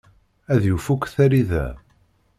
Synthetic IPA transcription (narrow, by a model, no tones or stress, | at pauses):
æðjufukːθæɾiðæ̰